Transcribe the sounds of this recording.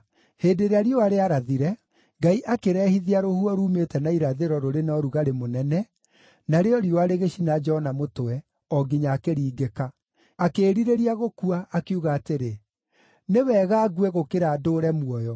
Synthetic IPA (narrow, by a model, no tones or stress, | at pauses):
heːdeɾeaɾiɔaɾeaɾaðiɾɛ | ŋɡaiʔakeɾɛhiðiaɾohuɔɾuːmetɛnaiɾaðeɾɔɾoɾenɔɾuɣaɾemonɛnɛ | naɾeɔɾioaɾeɣeʃinad͡ʒɛɔnamotoɛ | ɔɡiɲaːkeɾiːɡekaː | keːɾiɾeɾiaɣokuaʔːkeuɣaːteɾe | newɛːɣaːɡwɛɣokeɾaːdoːɾɛmwɔjɔ